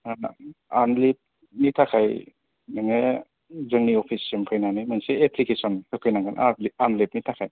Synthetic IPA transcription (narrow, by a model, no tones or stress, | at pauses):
ana̰anlip̚ | nitʰakʰaj | naŋe | zəŋniɔpʰisːempʰajnanimanseepʰlikesɔnsɯkʰɯjnaŋɡʰana̰lianlep̚nitʰakʰaj